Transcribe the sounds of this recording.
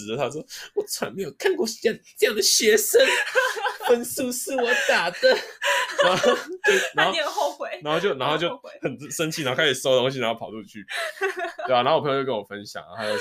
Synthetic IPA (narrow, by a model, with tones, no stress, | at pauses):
d̪ə˧˩t̪ʰa˥˩wɔ˨˩t͡sʰwa̰˧˥nme˧˥ɪjo˨˩kʰa˥˧nkwɔ˥˩ʂ̩˧jŋt͡sɤ˥˧jɑ˥˩ŋd̪ə˩ɕɥɛ˧˥ʂə˦˥nfə˦˥nsu˥˧s̩˥˩wɔ˨˩t̪a˨˩d̪ə˧˦a˥˧o˥˧t̪we˥˩na˨˦˧xo˥˧˨o˥˧ʊwe˧˩na˧˥nxo˥˧ʊt͡ɕo˥ʊna˧˥nxo˥˧ʊt͡ɕjo˥˧ʊxə˨˩n˥ʂə˦nt͡ɕʰi˨˩˨a˧˦˥o˥kʰa˥t͡ɕʰsɑ˥ʊdə˧t̪o˥ŋɕ̬i˧na˧˥˩pʰlu˥˧˩t͡ɕʰy̰˥˩ | e˩a˩a˧˥o˥˩˨pʰjjo˥˧kə˥nwɔ˨˩fə˦nɕjɑ̰˨˩ŋə̰˨˩a˥ɪjo˨˧